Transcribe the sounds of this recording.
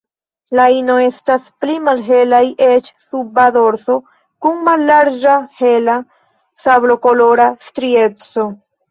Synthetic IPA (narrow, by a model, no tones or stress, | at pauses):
laino̞e̞stasplimalɦe̞lajʔe̞t͡ʃsubado̞ɾso̞ | kuŋmalːaɾd͡ʒahe̞la | sablo̞ko̞lo̞ɾastɾie̞t͡so̞